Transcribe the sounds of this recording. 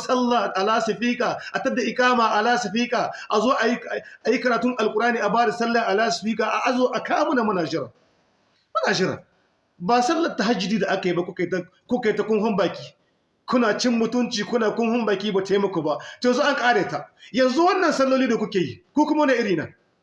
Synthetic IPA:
sɐ˦lːaː˨ʔa˨laː˦sɪ˨ɸiː˦kʼaː˨ʔa˨tɐ˦dːa˨ʔɪ˨kʼaː˦maː˨ʔa˨laː˦sɪ˨ɸiː˦kʼaː˨ʔa˨zoː˦ʔa˨ji˦˨ʔa˨ji˦kɐ˨ɾaː˨tʊ˦ŋʔa˨lkʼʊ˨ɾʔaː˦niː˨ʔa˨baː˦da˨sɐ˦lːɐ˨ʔa˨laː˦sɪ̥˨ɸiː˦kaː˨ʔa˨ʔa˦zoː˨˦ʔa˨kaː˦mʊ˦na˨mɐ˦naː˨d͡ʒɪ˦ɾɐ̰˨ | mɐ˦naː˨d͡ʒɪ˦ɾɐ̰˨ | baː˨sɐ˦lːɐ˨tːa˨ɦa˦d͡ʒɪ˨diː˦da˨ʔa˦ka˨ji˦ba˦kʷʊ˦ka˨a˦ | kʷʊ˦ka˨˦ta˨kʷʼʊ˦ŋɦʊ˦mbaː˨kʲiː˦ | kʷʊ˦naː˨t͡ʃɪ˦mːʊ˦tʊ˦nt͡ʃiː˨kʷʊ˦naː˨kʷʼʊ˦ŋhʊ˦mbaː˨kʲiː˦baː˨teː˦mɐ˦kʷoː˨ba˦ʔto˨jɛ˨nzu˦ʔa˦ŋkʼaː˦ɽeː˨ta˦ʔjɐ˨nzu˦wɐ˦nːɐ˨nsɐ˦lːoː˦liː˦da˨kʷʊ˦kʲeː˨ji˦kʷo˦kʷʊ˦ma˦wɐ˦na˨ʔɪ˦ɽiː˨naː˨

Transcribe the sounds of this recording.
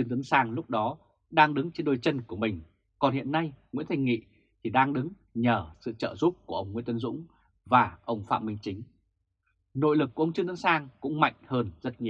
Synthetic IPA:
ɨ˧ŋt̪ɨ˨˦nsaː˧ŋlʊ˦˥k͡p̚ɗɔ˨˦ | ɗaː˧ŋɗɨ˨˦ŋt͡ɕe˧nɗo˧˩jt͡ɕə˧nku˧˩əmï˨˩ŋ̟ | kɔ˨˩nhḭ˧˨ənːa˧jŋḭ˧˥ənt̪ʰa˧jŋ̟ŋḭ˧˨ | t̪ʰi˨˩ɗaː˧ŋɗɨ˨˦ŋ | ɲəː˧˩sɨ̰˧˨t͡ɕəː˧˨˩zu˦˥p̚ku˧˩əʔə˧wŋ͡mŋwḭ˧˥nt̪ə˨˦nzʊ̰˧˥ŋ͡m | vaː˨˩ʔə˧wŋ͡mfa̰ː˧˨mï˧ŋ̟t͡ɕï˨˦ŋ̟ | no̰˧˨jlɨ˨˩k̚ːu˧˩ʔə˧wŋ͡mt͡ɕɨ˧ŋt̪ɨ˨˦nsaː˧ŋkʊ̰˧˥ŋ͡mma̰˧˨jŋ̟həː˧nzə˦˥t̚ɲi˨˩

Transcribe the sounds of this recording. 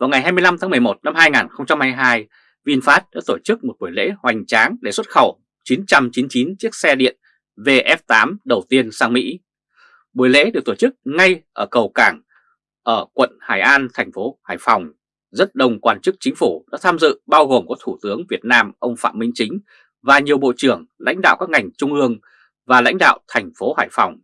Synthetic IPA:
vaː˨˩wŋa˨˩jɦaː˧m˧əjla˧mʰaː˨˦ŋmɨ˨˩əjmo˨˩t̚na˧mhaː˧jŋaː˨˩nxə˧wŋ͡mt͡ɕa˧mhaː˧jɦaː˧j | vi˧nfaː˦˥t̚ɗa̰ː˧˥t̪o˧˩t͡ɕɨ˦˥k̚mo˨˩t̚ɓu˧˩əjlḛ˧˥hwa˨˩jŋ̟t͡ɕaː˨˦ŋɗe˧˩swə˦˥t̚xə˧˩w | t͡ɕi˨˦nt͡ɕa˧mt͡ɕi˨˦nt͡ɕi˨˦nt͡ɕi˦˥ək̚sɛ˧ɗḭ˧˨ən | ve˧ʔɛ˦˥p̚t̪aː˨˦mɗə˨˩wt̪i˧ənsaː˧ŋmḭ˧˥ | ɓu˧˩əjlḛ˧˥ɗɨ˨˩t̪oː˧˩t͡ɕɨ˦˥k̚ŋa˧jʔəː˧˩kə˨˩wkaː˧˩ŋ | ʔəː˧˩kwə̰˧˨nhaː˧˩jʔaː˧nt̪ʰɛ˨˩jŋ̟fo˨˦haː˧˩jfa˨˩wŋ͡m | zə˦˥t̚ɗə˧˩wŋ͡mkwaː˧nt͡ɕɨ˦˥k̚t͡ɕï˨˦ŋ̟fu˧˩ɗa̰ː˧˥t̪ʰaː˧mzɨ̰˧˨ɓaː˧wɣo˨˩mkɔ˨˦t̪ʰu˧˩t̪ɨ˨˦əŋvi˨˩ət̚naː˧mʔə˧wŋ͡mfa̰ː˧˨mï˧ŋ̟t͡ɕï˨˦ŋ̟ | vaː˨˩ɲi˨˩əwɓo̰˧˨t͡ɕɨ˧˩əŋla̰˧˥jŋ̟ɗa̰ː˧˨wkaː˦˥k̚ŋa˨˩jŋ̟t͡ɕʊ˧ŋ͡mʔɨ˧əŋ | vaː˨˩la̰˧˥jŋ̟ɗa̰ː˧˨wt̪ʰɛ˨˩jŋ̟fo˨˦haː˧˩jfa˨˩wŋ͡m

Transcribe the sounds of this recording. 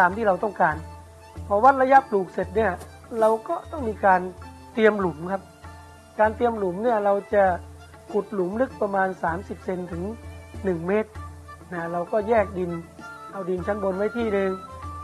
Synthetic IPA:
aː˨˧mt̪ʰiː˥˩ɾa˧wt̪ɔ˥˩ŋkaː˧n | pʰɔ˧wa˦˥t̪̚la˧ja˦˥pluː˨˩k̚se˨˩t̪̚ni˥˩ɐ | ɾa˧wkɔː˥˩t̪ɔ˥˩ŋmiː˧kaː˧n | t̪i˧əmlu˩˦mkʰa˦˥p̚ | kaː˧nt̪i˧əmlu˨˩˦mni˥˩ɐɾa˧wt͡ɕa˨˩ | kʰu˨˩t̪̚lu˩˦mlɯ˦˥k̚pa˧maː˧nsaː˩˦msi˨˩p̚se˧nt̪ʰɯ˩˦ŋnɯ˨˩ŋmeː˦˥t̪̚na˦˥ɾa˧wkɔː˥˩jɛː˥˩k̚di˧nla˧˩wdi˧nt͡ɕʰa˦˥nbo˧nwa˦˥˩jt̪ʰiː˥˩dɯː˧ŋ

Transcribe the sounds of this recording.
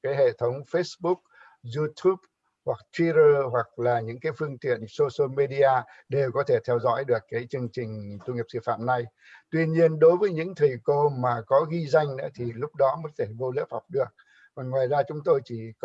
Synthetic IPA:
kaː˨˦jɦḛ˧˨t̪ʰə˨˦wŋ͡mfe˦˥sɓu˦˥k̚ | zu˧t̪ʰu˦˥p̚ | hwa˨˩k̚t̪ʰwi˧˥ɾəː˧hwa˨˩k̚laː˨˩ɲɨ̰˧˥ŋkaː˨˦jfɨ˧əŋt̪ḭ˧˨ənso˧sə˧me˧ɗi˧aː˧ | ɗe˨˩wkɔ˨˦t̪ʰe˧˩t̪ʰɛ˧wzɔ̰˧˥jɗɨ˨˩əkːaː˨˦jt͡ɕɨ˧əŋt͡ɕï˨˩ŋ̟t̪u˧ŋi˨˩əp̚sɨ̰˧˩fa̰ː˧˨mna˧j | t̪wi˧nɲi˧ənɗo˨˦jvəː˨˦jɲɨ̰˧˥ŋt̪ʰi˨˩jko˧maː˨˩kɔ˨˦ɣi˧za˧jŋ̟nɨ̰˧˥ət̪ʰi˨˩lʊ˦˥k͡p̚ɗɔ˨˦mə˨˦tt̪ʰe˧˩vo˧lə̰˧˥p̚ha˨˩wk͡p̚ɗɨ˨˩ək̚ | kɔ˨˩nŋwaː˨˩jzaː˧t͡ɕʊ˨˦ŋ͡mt̪o˧jt͡ɕi˧˩k

